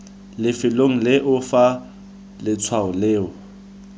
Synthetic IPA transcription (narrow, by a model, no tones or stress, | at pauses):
lɪfɪloŋ̩lɪʔʊfa | lɪt͡sʰwaʊleːʊ